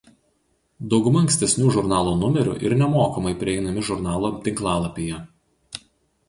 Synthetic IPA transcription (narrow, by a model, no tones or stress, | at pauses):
d̪ɒʊɡʊmɐɐŋksʲt̪ʲɛsʲnʲuːʒʊɾnɑːlˠuːnʊmʲɛɾʲʊ̰ʔɪ̰ɾnʲɛmoːkɐmɐɪpʲɾʲɪɛɪnɐmʲɪʒʊɾnɑːlˠoːt̪ʲɪŋklˠɑːlˠɐpʲejɛ